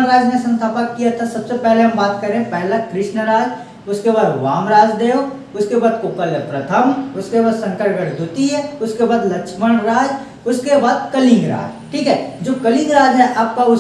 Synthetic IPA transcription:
ɾaːd͡ʒnesɐ̃nt̪ʰaːpəkːijat̪ʰasɐbsepɛɦleɦɐ̃mbaːt̪kɐɾẽɦẽpɛɦlakɾɪʃnɾaːd͡ʒ | ʊskebaːd̪ʋaːmɾaːd͡ʒd̪eːo | ʊskebaːd̪̚kʊkəlpɾɐt̪ʰəmʊskebaːd̪sɐ̃ŋkəɾɡəɽd̪ʊt̪iɦɛʊskebaːd̪lɐkʃməɽɾaːd͡ʒ | ʊskebaːd̪̚kəlɪ̃ŋɡɾa̰ːd͡ʒ | ʈʰiːkɦɛːd͡ʒoːkəlɪ̃ŋɡɾaːd͡ʒɦɛʔaːp̚kaʊ

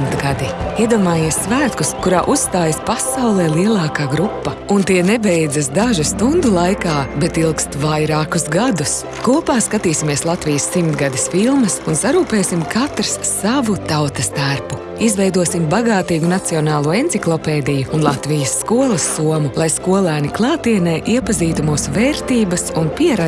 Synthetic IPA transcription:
mt̪ɡad̪iiɛd̪uɔmaːjiɛsːvæːt̪kuskuɾaːʔusst̪aːjɐspasawlˠɛːlˠiɛlˠɑːkaːɡɾupːɐ | unt̪iɛnɛbɛjdzɐsd̪aʒust̪und̪ulˠajkaːbet̪ilˠkst̪vajɾaːkusɡad̪us | kuɔpaːskat̪iːsimiɛslˠat̪vijɐsːimt̪ɡad̪isfilˠmɐsunsaɾuːpeːsimkʰat̪ɾɐsːavut̪awt̪ɐst̪aɾpu | izvɛjd̪uɔsimbaɡaːt̪iːɡunat̪siɔnaːlˠuɔent̪siklˠɔpɛːd̪ijuːnlˠat̪vijɐsːkuɔlˠɐsːuɔmulˠajskuɔlˠæːniklˠɑːt̪iɛnɛːʔiɛpɐziːt̪umuːsvɛːɾt̪iːbɐsunpiɛɾa

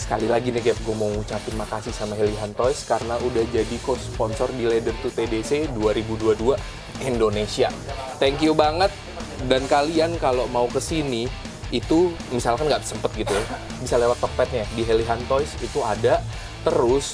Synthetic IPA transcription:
sə̥kalilaɡinɪhkajap̚ɡuamauŋut͡ʃapɪnmakasɪhsamaɦeliɦant̪ɔjskaɾənaʔudahd͡ʒadikospɔnsɔrdiledərt̪ut̪edeseduaɾibuduadua | indonesiat̪ɛŋkjubaŋət̪̚ | dankaliankalomaukəsini | it̪u | misalkanɡaʔsəmpət̪̚ɡit̪u | bisalewat̪ːɔk̚pɛt̪̚ɲadiɦeliɦant̪ɔjsit̪uada | t̪əɾʊs

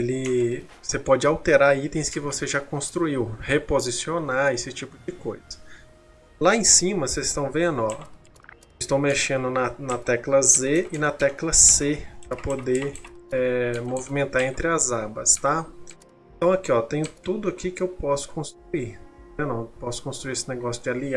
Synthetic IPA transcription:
elɪvosepɔd͡ʒɪawt̪eɾait̪ẽj̃skɪvoseʒakõst̪ɾuiwhepozisionaesɪt͡ʃipʊd͡ʒɪkojzɐ̥ | laẽsĩmɐsezɪst̪ɐ̃w̃vẽnɔ | ɪst̪ɐ̃w̃meʃẽnd̪ʊnɐnɐt̪ɛklɐzeɪnɐt̪ɛklɐsepɾɐpod̪eɾɛmovimẽnt̪aɾẽnt̪ɾɪɐzabɐst̪a | ẽt̪ɐ̃w̃ɐkiɔt̪ẽjʊt̪ud̪ʊɐkikɪewpɔsʊ̥kõst̪ɾuiɾẽnɔ̃pɔsʊ̥kõst̪ɾuiɾesɪneɡɔsjʊd͡ʒɪali

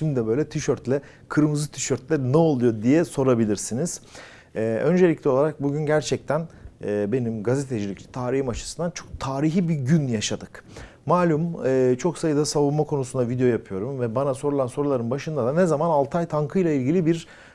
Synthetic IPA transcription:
ʃimd̪ɛbø̞jlʲɛt̪ʰiʃøɾt̪lʲɛ | kʰɯɾmɯzɯt̪ʰi̥ʃøɾt̪lʲɛnɛo̞lˠujo̞d̪ijɛso̞ɾabilʲiɾsiniz̥ | ɛːø̞nd͡ʒe̞lʲicʲlʲɛo̞lˠaɾak̚buɟynɟæɾt͡ʃʰɛc̚t̪ʰænːbe̞nimɡazet̪ʰed͡ʒilʲict̪ʰaːɾihimat͡ʃʰɯ̥sɯnd̪ant͡ʃʰo̞k̚t̪ʰaːɾiɦibiɟynjaʃad̪ɯk | maːlʲumɯːt͡ʃʰo̞ksajɯd̪asaβunmakʰo̞nusund̪avid̪ejojapʰɯjo̞ɾumvɛbanaso̞ɾulˠanso̞ɾulˠaɾɯnbaʃɯnd̪ad̪anɛzamanalˠt̪ʰajt̪ʰaŋkʰɯjlʲˠailʲɟilʲibiɾ

